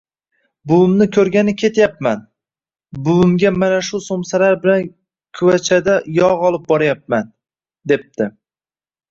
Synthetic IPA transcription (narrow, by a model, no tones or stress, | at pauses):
bʊʊmnɪkʲʰɵɾɡʲanɪkʲʰe̞t̪ʰjapman | bʊʊmɡʲamanaʃʊsomsalaɾbɪlan | kʲʰʊwat͡ʃʰad̪ajɒʁɒlˠɪp̚bɒɾajap̚man | d̪e̞p̚t̪ɪ